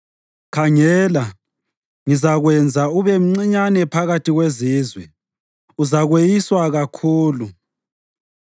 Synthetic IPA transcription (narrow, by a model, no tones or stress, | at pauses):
kʰaŋɛːla | ŋizaɣwɛnd͡zʱauβɛm̩ŋ͡ǀiɲanɛpʰaɣatʰiɣweziːzwɛ | uzaɣwejiswaɣakʰuːlu